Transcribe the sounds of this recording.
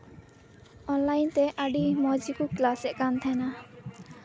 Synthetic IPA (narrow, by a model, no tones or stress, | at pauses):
ɔnlajnt̪ɛʔaɖimɔd͡ʒikuklasɛʔkant̪ʰana